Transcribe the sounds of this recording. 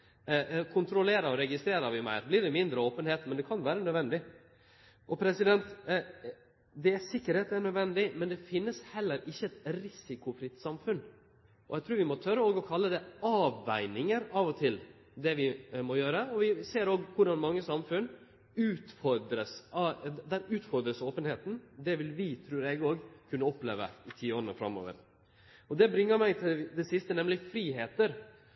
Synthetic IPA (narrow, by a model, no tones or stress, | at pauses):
kʰʊnt̪ʰɾɔleːɾɑɾɔɾɛɡɪst̪ɾeːɾɑʋɪmæ̰ɪɾblɪɖɛmɪnd̪ɾəoːpənheːt̪mɛnd̪ɛkʰɑnʋæːɾənœd̪ʋɛnd̪ɪ | ʔɔpʰɾɛsɪd̪ɛnt̪ | d̪ɛæɾsɪkːəɾheːt̪æɳœd̪ʋɛnd̪ɪmɛnd̪ɛfɪnːəshɛlːəɾɪçːəɛt̪ɾɪsɪkʊfɾɪt̪sɑmfʉn | ʔɔ̰jɛɡt̪ʰɾʉːɾʋɪmɔt̪ʰœɾəoːɡɔkʰɑlːəd̪ɛɑːʋːæɪnɪŋəɾɑːʋɔt̪ʰɪl | d̪ɛʋɪmɔjøːɾəɔʋɪseːɾoːɡkʰʊɖɑnmɑŋːəsɑmfʉn | ʉːt̪fɔɾd̪ɾəsɑd̪æɾʉːt̪fɔɾd̪ɾəsoːpənheːt̪n̩d̪ɛʋɪlʋɪt̪ʰɾʉːɾɛɡoːɡkʰʉnːəɔplḛːʋə̰ɪt̪ʰiːoːɾnəfɾɑ̰mo̰ːʋə̰ɾ | ɔd̪ɛbɾɪŋːəɾmæɪt̪ʰɪd̪ɛsɪst̪ənɛmlɪfɾiːɦeːt̪əɾ